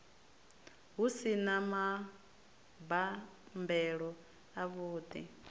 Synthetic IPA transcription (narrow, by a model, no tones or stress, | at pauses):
ɦusinama | bambɛɺɔ | aβuːd̪ḭ